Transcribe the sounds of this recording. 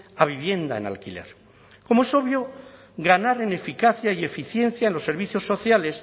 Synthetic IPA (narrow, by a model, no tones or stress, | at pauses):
aβ̞iβ̞je̞nd̪a̰ḛna̰lkile̞̰ɾ | ko̞moe̞so̞βjo̞ | ɣanaɾene̞fikaθjaie̞fiθje̞nθjaenlo̞sːe̞ɾβ̞iθjo̞sːo̞θjale̞s